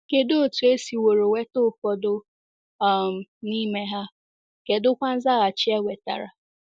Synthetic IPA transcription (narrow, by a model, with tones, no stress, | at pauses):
ke˨do˦˨tu˨e˦si˨wo˨ɾo˨we˦to˦˨fɔ˨dʊ˦˨ | m̩˨ni˦me˦ɦa˦ | ke˨dʊ˦kʷa˦n̩˦za˦ɣa˨t͡ʃɪ˦ɛ˦wʷe˨ta̰˨ɾa̰˨